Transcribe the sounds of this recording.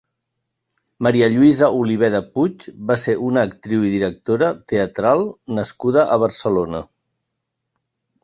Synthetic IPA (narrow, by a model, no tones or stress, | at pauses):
məɾiəʎuizəʔuliβ̞ɛðəput͡ʃbaseʔunəːk̚t̪ɾiwiðiɾək̚t̪oɾət̪eət̪ɾalˠnəskuð̞əʔəβ̞əɾsəlonə